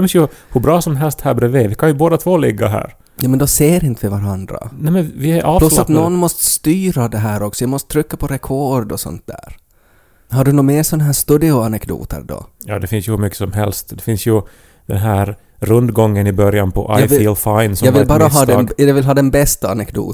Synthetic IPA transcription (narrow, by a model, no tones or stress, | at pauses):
nsjɵhʉbɾɑːsɔmɦɛlst̪hæːɾbɾeːveːvɪkʰanjɵboːd̪at̪ʰvoːlɪɡːaɦæ̰ːɾ | juːmɛnd̪ɔseːɾɪnt̪əvɪvaɾand̪ɾa̰nɛmɛnvɪæɾʔɑːllat̪nɔnmɔst̪ə̥st̪yːɾad̪ɛɦæːɾɔksɔjaːmɔst̪ət̪ʰɾʏkːapʰɔɾɛkʰɔɖɔsɔ̰nt̪̚d̪æ̰ːɾ | ɦaɖɵnuːmeːɾsɔnaɦæːʂt̪ʉd̪ɪʊanɛkd̪ṵːt̪ʰə̰ɾd̪ɔ̰jɑ̰ːd̪ɛfɪnsjɵhʉɾmʏkːə̥sɔmɦɛlst̪d̪ɛfɪnsjɵ | d̪̥ɛnɦæːɾ | ɾɵnd̪ɡɔŋːənɪbœɾjanpʰɔ̰ʔa̰jfilfaɪnsɔɑːvɪlbɑːɾaɦɑːd̪ːɑvɪlɦɑːd̪ɛnbɛst̪aanɛkd̪ṵː